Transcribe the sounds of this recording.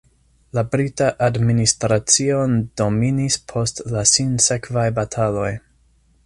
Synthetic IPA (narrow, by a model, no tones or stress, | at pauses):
labɾitaʔadministɾat͡siondo̞minispʰo̞stlasinse̞kvajbatʰalo̞j